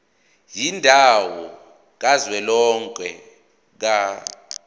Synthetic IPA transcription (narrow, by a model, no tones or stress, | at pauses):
jindʱawɔ | k̬azwɛlɔŋkʼɛ | k̬a